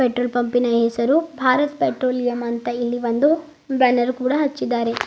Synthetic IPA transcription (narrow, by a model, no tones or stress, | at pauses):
peʈɾoːlpɐmpinɐɦesɐɾubʱaːɾɐt̪peʈɾoːlijɐmɐnt̪ɐilːiʋɐnd̪u | bɾɐnɐɾkuːɽɐɦɐt͡ʃːid̪ːaːɾe̞